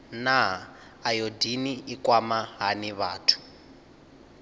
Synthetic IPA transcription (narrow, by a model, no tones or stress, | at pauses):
naɦaː | jodiniikwamaɦaniβaːtʰu̥